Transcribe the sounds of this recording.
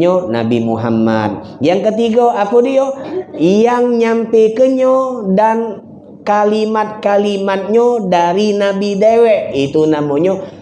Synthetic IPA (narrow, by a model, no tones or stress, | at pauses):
ɲona̰bimuɦa̰ma̰t̪̚jaŋkət̪iɡoʔakudiojaŋɲampekəɲodan | kalimat̪̚kalimat̪̚ɲodaɾinabidewɛʔit̪unamoɲo